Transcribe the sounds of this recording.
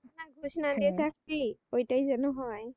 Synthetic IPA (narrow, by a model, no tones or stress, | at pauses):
naɡʱusnad̪iɛsaktiojtajzanɔɦɔj